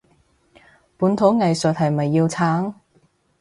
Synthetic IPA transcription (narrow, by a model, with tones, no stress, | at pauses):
puː˨˥nt̪ʰo˨˥wŋɐ˨jsɵ˨t̚hɐ˨jmɐ˨jːiː˧wt͡sʰaː˨˥ŋ